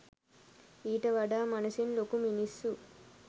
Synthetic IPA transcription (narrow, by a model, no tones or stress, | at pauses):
iːʈɐʋɐɖaːmɐnɐsinlokuminisːu